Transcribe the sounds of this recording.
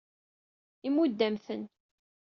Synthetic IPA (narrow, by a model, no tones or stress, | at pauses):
imud̪ːæmθən